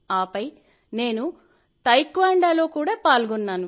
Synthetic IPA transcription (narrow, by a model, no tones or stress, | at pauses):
aːpɐj | ne̞ːnu | t̪ɐjkʋaːɳɖaːlo̞ːkuːɽaːpaːlɡɔnːaːnu